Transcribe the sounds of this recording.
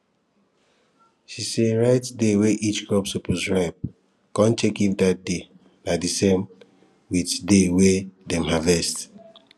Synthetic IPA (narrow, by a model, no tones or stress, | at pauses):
ʃiseɹaɪtdeweʔit͡ʃkɹɔpsupozɹaɪp̚ | kɔ̃ntʰekimdat̚de | nadisẽm | witdewedɛ̃mhavɛst